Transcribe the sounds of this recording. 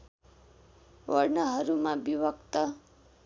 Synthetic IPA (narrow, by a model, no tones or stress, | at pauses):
wʌɾnaɦʌɾumabibʌkt̪ʌ